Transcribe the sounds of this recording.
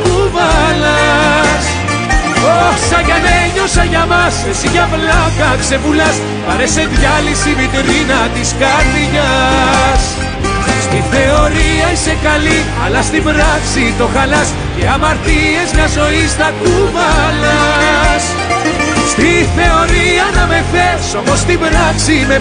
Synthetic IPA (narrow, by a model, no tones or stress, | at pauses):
kuvɐlɐs | osɐʝɐneɲosɐʝɐmɐsesiʝɐplɐkɐkse̞vulɐs | pɐ̰ɾese̞ðʝɐlisivit̪eɾinɐt̪iskɐɾðiʝɐ | s | st̪iθe̞o̞ɾiɐise̞kɐli | ɐ̰lɐst̪imbɾɐksit̪o̞xɐlɐs | ceɐmɐɾt̪ie̞zɲɐzo̞ist̪ɐkuvɐlɐs | st̪iθe̞o̞ɾiɐnɐme̞θeso̞mo̞st̪ibɾɐksime